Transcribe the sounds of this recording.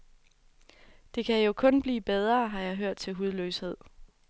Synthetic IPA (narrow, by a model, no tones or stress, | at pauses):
d̥e̝kʰæjo̝kʰɔ̽nb̥lḭːb̥eð̞ˠʁɐːɦɑ̈jɑ̈ɪɦøɐ̰d̥̚t͡sʰe̝lɦuð̞ˠløːshe̝ð̞̰ˠ